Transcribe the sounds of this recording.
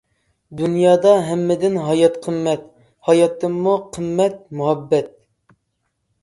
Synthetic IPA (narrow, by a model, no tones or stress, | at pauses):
d̪unjɑːd̪ɑɦɛmːɪd̪ɪnɦɑjɑt̪qʰəmːɛt̪ | hɑjɑt̪ːɨmːuqʰəmːɛt̪̚muɦɛbːɛt̪̚